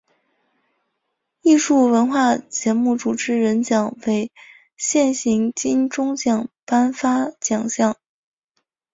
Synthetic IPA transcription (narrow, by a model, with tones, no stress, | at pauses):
i˥˧ʂu˥˩wə˧˥nxwa˥˩t͡ɕjɛ˧˥mu˥˩ʈ͡ʂu˨˩ʈ͡ʂɻ̩˧˥ɻə˧˥nt͡ɕjɑ˨˩ŋwe˧˥ɪ | ɕjɛ˥˩nɕi˧˥ŋt͡ɕi˥nʈ͡ʂʊ˥ŋt͡ɕjɑ˨˩ŋpa˥nfa˥t͡ɕjɑ˨˩ŋɕjɑ˥˩ŋ